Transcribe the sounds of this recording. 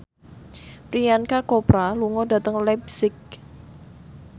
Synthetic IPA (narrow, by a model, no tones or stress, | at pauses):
pɾijankakopɾaluŋɔda̤t̪əŋlɛbsɪk̚